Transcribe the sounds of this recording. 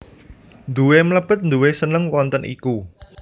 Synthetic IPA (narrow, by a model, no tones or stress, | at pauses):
nd̪uwemləb̥ət̪̚nd̪uwesənəŋwɔnt̪ənʔḭku